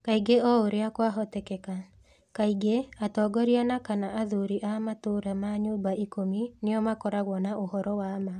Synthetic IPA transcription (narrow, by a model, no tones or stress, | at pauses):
kaiɡeɔoɾeakwaɦɔtɛkɛka | kaiɡeatɔɡɔɾianakanaʔaðoɾiʔamatoɾamaɲobaʔikomineɔmakɔɾaɣwɔnaʔohɔɾɔwama